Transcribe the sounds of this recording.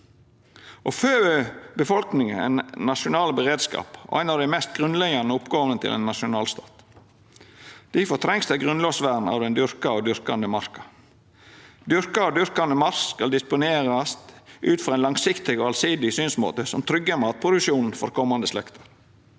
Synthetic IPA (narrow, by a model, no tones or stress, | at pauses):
ʔɔføːøbəfɔlknɪŋəæ̰ɪnnɑʃʊnɑːlbəɾeːd̪skɑ̰ːpʔæ̰ɪnɑʋd̪æɪmɛst̪̚ɡʁʉnlɛɡɑnəʊpɡoːʋənət̪ʰɪ̰lɛ̰nːɑʃʊnɑːlst̪ɑːt̪ | d̪̥æfɔt̪ʰɾɛŋsd̪æɡʁʉnloːsʋæːɾn̩ɑ̰ʋd̪ɛnd̪ʏɾkɑɑʋd̪ʏɾkɑnd̪əmɑɾkɑ̥ | d̪ʏɾkɑɑd̪ʏɾkɑnəmɑɾsskɑld̪ɪspʊneːɾɑst̪ʔʉːt̪fɾɑɾæɪnlɑŋsɪkt̪ɪɡɔɑlsɪd̪ɪsyːnsmo̰ːt̪əsɔmt̪ʰɾʏɡːəmɑːt̪̚pʰɾʊd̪ʉkʃuːnn̩fɔɾkʰɔmːɑnd̪əslɛkt̪ʰə̥ɾ